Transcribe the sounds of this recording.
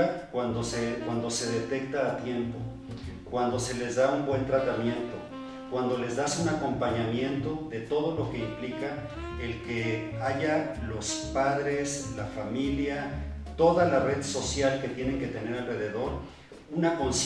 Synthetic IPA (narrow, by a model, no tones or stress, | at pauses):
akwand̪osekwand̪o̞se̞ðe̞t̪e̞k̚t̪aːt̪je̞mpo̞ | kwand̪o̞se̞le̞zðaumbwe̞nt̪ɾat̪amje̞nt̪o̞ | kwand̪o̞le̞zðasunako̞mpaɲamjẽ̞nt̪o̞ðe̞t̪o̞ð̞o̞lo̞ke̞implika | elkeaʝalo̞spaðɾe̞slafamilja | t̪o̞ðalare̞ðso̞sjalke̞t̪je̞nẽ̞ŋke̞t̪e̞ne̞ɾalre̞ðe̞ðo̞ɾ | unako̞ns